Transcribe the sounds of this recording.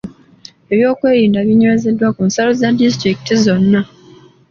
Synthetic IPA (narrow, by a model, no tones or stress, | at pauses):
e̞βjo̞ːkwe̞ːɾiːndaβjiɲoeze̞dːwakunsalozadistɾiki̥tizo̞nːa